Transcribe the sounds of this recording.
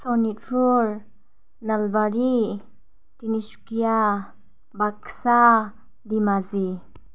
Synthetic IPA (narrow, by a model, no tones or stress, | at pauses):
sɔnitɾuɾ | nəlbaɾi | t̪inisu̥kija | baksa | d̪imazi